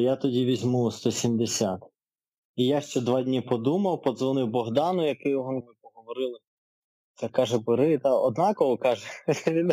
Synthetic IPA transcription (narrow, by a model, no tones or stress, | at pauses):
jat̪ɔdʲiʋʲizʲmust̪ɔsʲimd̪esʲat̪ | ijaʃt͡ʃɛd̪ʋɑdʲnʲipɔd̪umɐwpɔd̪zʋɔnɪwbɔɦd̪ɑnʊjɐkɪjʊɦɔnmɪpɔɦɔʋɔɾɪlˠɪ | t̪sɛkɑʒɛbɪɾɪt̪ɑɔd̪̚nɑkɔɦɔkɑʒɛʋʲid̪